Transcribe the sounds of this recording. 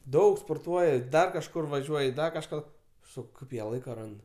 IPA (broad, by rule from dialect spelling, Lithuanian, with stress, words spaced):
ˈdɐʊk spoːrˈtuɔjɛ ˈdɐr kɐʃˈkʊr ʋɐˈʒʲuɔj ˈdɐr kɐʃˈkɑː ˈsɐk ˈkɐɪp jiɛ ˈlˠɐɪkɐ ˈrɐnt